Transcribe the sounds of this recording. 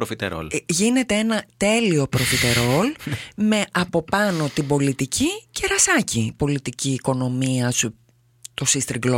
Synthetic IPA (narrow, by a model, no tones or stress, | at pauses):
pɾofit̪ḛɾo̰lʝine̞t̪e̞enɐt̪e̞lio̞pɾo̞fit̪e̞ɾo̞lme̞ʔɐpo̞pɐno̞t̪ibo̞lit̪icʰice̞ɾɐsɐcipo̞lit̪iciːko̞no̞miɐsu | t̪o̞sist̪ɾiɡlo